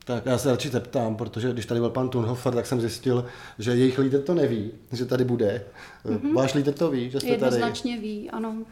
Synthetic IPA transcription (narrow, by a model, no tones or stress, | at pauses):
t̪akjaːsɛɾat͡ʃɪzɛpt̪aːmpɾo̞t̪o̞ʒɛɡdɪʃt̪adɪbɪlpant̪unɦofɛɾt̪aksɛmzjɪscɪl | ʒɛjɛjɪxliːd̪rt̪o̞nɛviː | ʒɛt̪adɪbudɛ | vaːʃliːd̪ɾt̪o̞viːʒɛst̪ɛtd̪adzɪnat͡ʃɲɛviːʔano